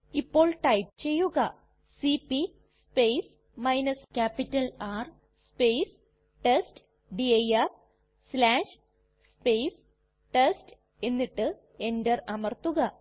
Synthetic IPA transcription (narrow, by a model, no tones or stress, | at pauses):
ipːo̞ːɭʈɐjp̚t͡ɕe̞jːuɣɐ | sipi | spejs | mɐjnɐskʲaːpitːɐlaːr | speːs | ʈest | ɖiɐjɐf | slaːʂ | spejs | ʈesʈ | e̞nːiʈːɨ | e̞ndɐrɐmɐrt̪uɣɐ